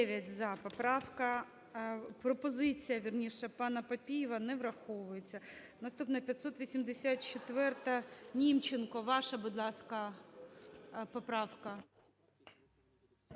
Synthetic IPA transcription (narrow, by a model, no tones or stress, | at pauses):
ɛʋʲjɐtʲzɐpɔpɾɑwkɐ | pɾɔpɔzɪt͡sʲijɐʋʲirnʲiʃɛpɑnɐpɐpʲijɪʋɐnɛʋɾɐxɔʋʊjet͡sʲːɐ | nɐst̪upnɐpʲjɐt̪ʲsɔt̪ʋʲisʲimd̪esʲat̪t͡ʃɪt̪ʋɛrt̪ɐnʲimt͡ʃenkɔʋɑʃɐbud̪lˠɑskɐ | pɔpɾɑwkɐ